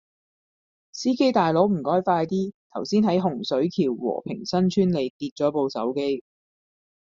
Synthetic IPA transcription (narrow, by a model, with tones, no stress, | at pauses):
siː˥ke˥jt̪aː˨jlo˨˥wm̩˨˩kɔː˥jfaː˧jt̪iː˥t̪ʰɐ˨˩wsiː˥nɦɐ˨˥jɦʊ˨˩ŋsɵ˨˥ɥk̪ʰiː˨˩wwɔ̰ː˨˩pʰɪ̰˨˩ŋsɐ˥nt͡ʃʰyː˥nle˨˧jt̪iː˧t̚t͡ʃɔː˨˥po˧wsɐ̰˨˥wke˥j